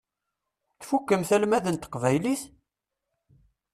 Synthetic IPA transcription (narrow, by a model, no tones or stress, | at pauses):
θfukːəmθælmæðənt̪ə̥qvæjliθ